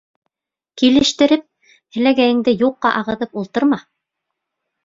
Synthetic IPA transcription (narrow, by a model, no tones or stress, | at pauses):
kilɘ̆ʃt̪ɘ̆ɾɘp̚ | hɘ̆læɡæjɘ̆ŋd̪ɘjuqːɑʔɑʁɤ̆ðɤpulˠt̪ɤ̆ɾmɑ